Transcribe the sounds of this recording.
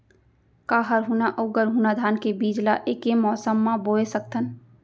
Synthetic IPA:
kaːɦəɾɦunaʔəʊɡəɾɦuːnad̪ʱaːnkebiːd͡ʒlaʔeːkemɔːsəmːãboːesək̚t̪ən

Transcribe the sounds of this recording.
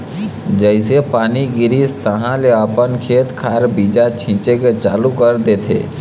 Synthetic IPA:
d͡ʒəɪsepaːniɡiɾist̪əɦãleəpənkʰet̪kʰaɾbid͡ʒat͡ʃʰĩt͡ʃeket͡ʃalukəɾd̪et̪ʰḛ

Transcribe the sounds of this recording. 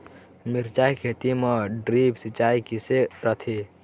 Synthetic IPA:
miɾt͡ʃaikʰet̪imeɖɾipsit͡ʃaikiseɾət̪ʰi

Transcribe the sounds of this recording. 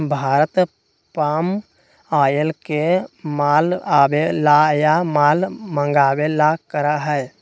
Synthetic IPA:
bʱaːɾət̪ | paːm | aːjəlkemaːlaːbelajamaːlmə̃ŋɡaːbelakəɾaɦɛj

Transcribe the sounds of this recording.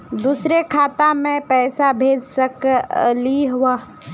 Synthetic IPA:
d̪uːsɾekʰaːt̪amẽpɛːsabʱeːd͡ʒsəkliɦʊwaː

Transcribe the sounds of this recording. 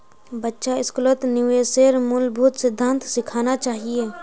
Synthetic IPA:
bətːʃaɪskʊlət̪nɪʋeseɾmʊlbʱʊːt̪sɪd̪ʱːə̃nt̪sɪkʰaːnat͡ʃaːɦieː

